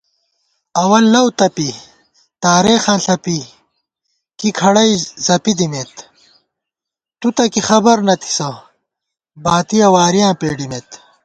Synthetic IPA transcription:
ɐwɐlːɐwt̪ɐpi | t̪aːɾeːxãːnɬɐpi | kikʰɐɽɐjzɐpid̪imet̪ | t̪ut̪ɐkixɐbɐɾnɐt̪ʰi̥sɐ | baːt̪ijɐwaːɾijãːpeːɖimeːt̪

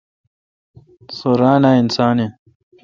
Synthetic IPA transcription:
soɾaːnaːinsaːne

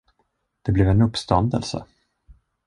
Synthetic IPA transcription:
d̪̥ɛblɛvɛnɵpːst̪ɔnd̪ə̰lsə̰

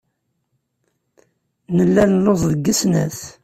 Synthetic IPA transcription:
nəlːælnloðˤðəɡːəsnæθ

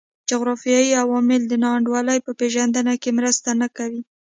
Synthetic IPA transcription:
d͡ʒʊɣɾɑfijɑjiawɑmɪld̪ənɑaɳɖwɑləjpəpeʒand̪ənakemɾəst̪anakawi

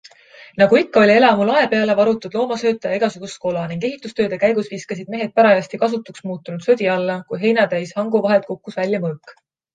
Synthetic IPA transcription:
nɑɡuikːɑo̞lʲie̞lɑmulɑe̞pe̞ɑle̞vɑɾut̪ːˑud̪̥lo̞ːmɑsø̞ːt̪ːˑɑjɑeɡ̥ɑsuɡ̥usko̞lɑniŋɡ̥e̞ɦit̪ːˑust̪øːd̪̥e̞kæjɡ̥usviːskɑsid̪̚me̞ɦe̞d̪̥̚pæɾɑjɑsʲt̪ikɑs̬ut̪ːˑuksmuːt̪ːˑunud̪̥sød̪ʲiɑlːɑkujɦe̞jnɑt̪æjshɑŋɡuvɑɦe̞lt̪̚ko̞kːusvælʲːjɑmɤːkː

